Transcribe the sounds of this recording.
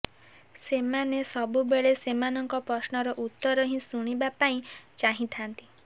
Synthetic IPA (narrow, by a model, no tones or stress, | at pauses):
semanesɔbubeɭesemanɔŋkɔpɾɔsnɔɾɔʔut̪ːɔɾɔɦĩsuɽ̃ibapaĩt͡ʃaɦĩt̪ʰant̪i̥